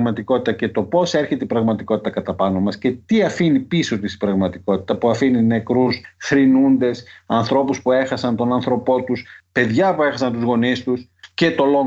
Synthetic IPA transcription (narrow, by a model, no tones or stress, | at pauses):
mɐt̪iko̞t̪it̪ɐce̞t̪o̞po̞seɾçet̪eipɾɐɣmɐt̪iko̞t̪i̥t̪ɐkɐt̪ɐpɐno̞mɐsce̞t̪iɐfinipiso̞t̪isi̥bɾɐɣmɐt̪iko̞t̪i̥t̪ɐpuɐfinine̞kɾusθɾinund̪e̞sɐnθɾo̞puspue̞xɐsɐnt̪o̞nɐnθɾo̞po̞t̪uspe̞ðʝɐpue̞xɐsɐnt̪uzɣo̞nist̪usce̞t̪o̞lo